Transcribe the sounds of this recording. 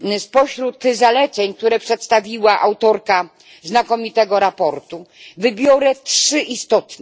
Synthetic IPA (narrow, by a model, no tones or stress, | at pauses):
spɔɕɾut̪zalɛt̪sɛɲk̚t̪uɾɛpʂɛt̪st̪avʲiwaʔawt̪ɔɾka | znakɔmʲit̪ɛɡɔɾapɔɾt̪uvɘbʲjɔɾɛtʂʂɘʔist̪ɔt̪nɛ